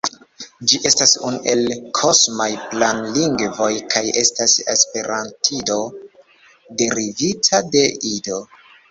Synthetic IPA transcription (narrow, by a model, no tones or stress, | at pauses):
d͡ʒiʔe̞stasunuʔe̞lkʰo̞smajplanliŋɡvo̞jkʰaje̞stasḛspe̞ɾantʰido̞ | de̞ɾivitʰade̞ʔido̞